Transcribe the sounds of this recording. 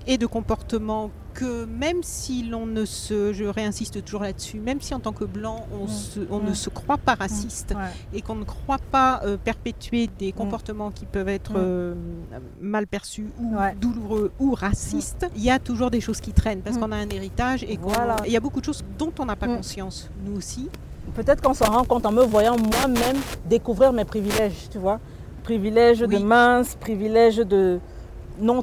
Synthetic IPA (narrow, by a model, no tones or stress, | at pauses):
ed̪əkɔ̃pɔʁt̪əmɑ̃ | kəmɛmsilɔ̃nəsəʒəʁeɛ̃sist̪ət̪uʒuʁlad̪əsymɛmsiɑ̃t̪ɑ̃kəblɑ̃ɔ̃səɔ̃nəsəkχwapaʁasist̪ekɔ̃nəkχwapaøpɛʁpet̪ɥed̪ekɔ̃pɔʁt̪əmɑ̃kʲipœvɛt̪χə | malpɛʁsyud̪uluʁøuʁasist̪iljat̪uʒuʁd̪eʃoz̥kʲit̪χɛnpaʁsəkɔ̃naɛ̃neʁit̪aʒekɔ̃w̃alaeljabokud̪əʃozd̪ɔ̃t̪ɔ̃napakɔ̃sjɑ̃s | nuosi | pøt̪ɛt̪χəkɑ̃səʁɑ̃kɔ̃t̪ɑ̃məvwajɑ̃mwamɛmd̪ekuvʁiʁmepχivilɛʒt̪yvwa | pχivilɛʒwd̪əmɛ̃spχivilɛʒd̪ə | nɔ̃